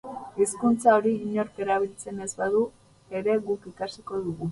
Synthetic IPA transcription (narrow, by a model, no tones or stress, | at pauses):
iskunt͡saoɾiːɲo̞ɾke̞ɾaβ̞ilt͡se̞ne̞zbaðu | e̞ɾe̞ɣukikasiko̞ðuɣu